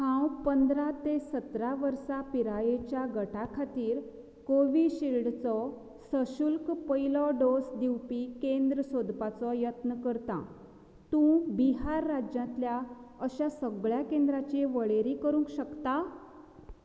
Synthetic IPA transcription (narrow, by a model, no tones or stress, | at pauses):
hãwpənd̪ɾat̪esət̪ɾaʋəɾsapiɾajet͡ɕjaɡəʈakʰat̪iːɾ | koʋiɕilɖt͡sɔ | səɕulkpəjlɔɖosd̪iwpikẽnd̪ɾəsod̪pat͡sɔjət̪nəkəɾt̪ã̰ | t̪ũbiɦaɾːad͡ʑjãt̪ljaəɕasəɡɭjakẽnd̪ɾat͡ɕeʋəɭeɾikəɾũŋkɕəkt̪a